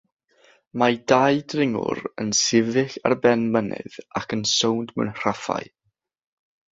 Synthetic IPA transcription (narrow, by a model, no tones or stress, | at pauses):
madajdrɪŋʊ̰ɾənsɪvɪɬa̰rbɛnmənɪ̰ðakʰənsowndmɛ̰nr̥afa̰j